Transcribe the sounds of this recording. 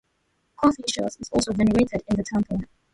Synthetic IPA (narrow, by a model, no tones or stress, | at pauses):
kʰɔθiʃɔ̰zɪzɔ̰lˠsoʊvɛnəeɪtɪɾɪ̃nðətʰɛ̃mpʰəl̩ˠ